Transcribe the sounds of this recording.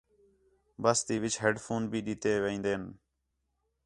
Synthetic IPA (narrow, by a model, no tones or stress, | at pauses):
bəst̪iːʋɪt͡ʃʰɦeːɖfʰoːnbʱiːɗit̪eːʋeĩːnd̪eːn